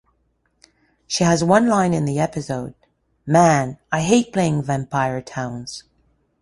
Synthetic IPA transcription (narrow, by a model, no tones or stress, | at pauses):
ʃiəzwʌ̃nlãɪ̃nɨ̃nðiɛpɨsoʊd̥̚ | mæ̃naɪɦeɪt̚pʰl̥eɪɪ̃ŋvɛ̃mpʰaɪə˞tʰãʊ̃nz̥